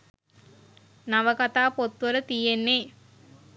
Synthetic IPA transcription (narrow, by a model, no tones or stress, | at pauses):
naʋəkat̪aːpot̪ːʋəɾət̪ijenːe